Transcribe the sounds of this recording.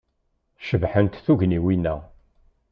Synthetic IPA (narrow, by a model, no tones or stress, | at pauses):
ʃəvħənt̪θuʝniwinːæ